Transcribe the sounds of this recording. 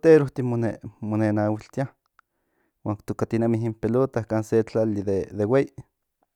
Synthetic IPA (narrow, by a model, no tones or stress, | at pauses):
t̪eɾoht̪imonemonenawilt̪ia | waːkt̪ukat̪inamiɦimpelot̪ahkaːnset͡ɬaliðeðewei